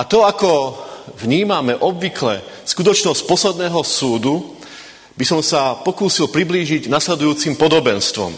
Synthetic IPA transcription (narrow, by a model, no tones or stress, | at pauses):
ʔat̪ɔakɔvɲiːmamɛʔɔbʋiklɛ̰skut̪ɔt͡ʃnɔsc̚pɔslɛd̪nɛːɦɔsuːd̪u | bisɔmsapɔkuːsilpɾibliːʒiɟnaslɛd̪ujuːt͡simpɔd̪ɔbɛnst̪ʋɔ̰m